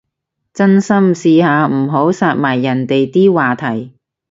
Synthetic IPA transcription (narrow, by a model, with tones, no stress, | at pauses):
t͡sɐ˥nsɐ˥msiː˧haː˨˧m̩˨˩ɦo˨˥wsaː˧t̚maː˨˩jːɐ˨˩nt̪e˨jt̪iː˥waː˨t̪ʰɐ˨˩j